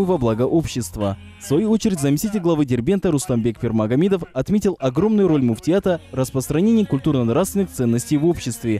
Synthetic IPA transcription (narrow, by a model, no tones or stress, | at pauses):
vɐblˠaɡəʔo̞pɕːɪst̪və | fsvɐjuot͡ɕɪɾʲɪtʲzəmʲɪsʲtʲitʲɪlʲɡlˠɐvɨdʲɪrbʲe̞nt̪əɾʊst̪ambʲek̚pʲɪrmɐɡɐmʲid̪əfɐt̪mʲetʲɪlˠɐɡro̞mnʊjʊɾo̞lʲmʊftʲɪat̪ərəspɾəst̪ɾɐnʲenʲɪjəkʊlʲt̪urnənɾast̪vʲɪnɨxt̪sɛnːəsʲtʲejvo̞pɕːɪst̪vʲɪ